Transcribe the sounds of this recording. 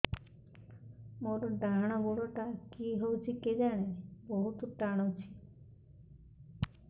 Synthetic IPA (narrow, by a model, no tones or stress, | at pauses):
moɾɔɖaɽ̃ɔboɽɔʈakiɦowt͡ʃʰiked͡ʒaɽ̃ebɔɦut̪ɔʈaɽ̃ɔt͡ʃʰi̥